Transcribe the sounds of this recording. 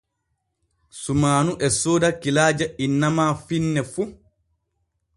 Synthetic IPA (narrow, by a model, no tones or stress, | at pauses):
sumaːnuʔɛsoːdakilaːd͡ʒainːamaːfinːɛfu